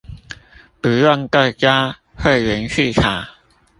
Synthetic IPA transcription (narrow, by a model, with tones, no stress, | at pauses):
pu˨˩jwa˥˧˨ŋka˥˩kja˦ | hwe˥˨ɪɥɛ˨˦nɕy˥˨kʰa˨˩